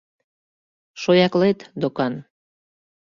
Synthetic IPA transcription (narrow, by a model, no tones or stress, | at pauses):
ʃojɑklet̪d̪okɑn